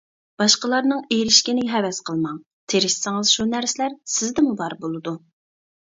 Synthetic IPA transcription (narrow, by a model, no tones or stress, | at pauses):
b̥ɑʃqəlˠɑɾnɨŋejɾɪʃkʲinɪɦɛvɛsqʰəlˠmɑŋ | t̪ʰeɾɪʃsɪŋɨzʃunæɾsɪlæɾsɪzd̪ɪmubɑɾbolˠɨd̪u